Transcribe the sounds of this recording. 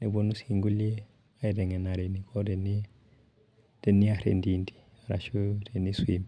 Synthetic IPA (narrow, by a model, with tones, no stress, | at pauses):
ne˨bo˨nu˦si˨ŋɡu˦li˦ | a˦i˨de˨ŋe˨na˨ɾe˨nikʰo˦de˨ni˦ | d̥e˨nːi˦a˨ɾḛ˨ndindi̥˨ | a˨ɾa̰˨ʃu˦te˨ni˦swi˨m